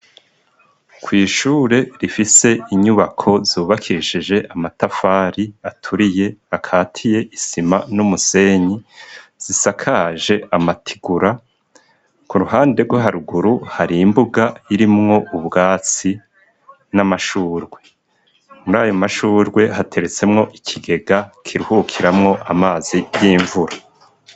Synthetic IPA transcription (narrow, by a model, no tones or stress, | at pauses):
kwiːʃuːɾe̞ɾifise̞ʔiɲuβakʰo̞zuːβakʰiɾiʃid͡ʒe̞ʔamatafaːɾiatʰuɾije̞hakʰaːtʰije̞ʔisima̰numuse̞ɲiz̥isakʰaʒe̞amatʰi̥ɡuɾa | kuɾuɦaːnde̞ɾɡwoɦaɾuɡuɾuhaɾiːmbuɡaiɾimŋo̞ʔuβɡaːt͡si | namaʃuːɾɡwe̞ | muɾaːjomaʃuːɾɡwe̞ɦatʰe̞ɾe̞t͡se̞mŋo̞ʔikʰiɡe̞ɡakʰiɾuhukʰiɾamŋo̞ʔamaːzijiːɱvuɾa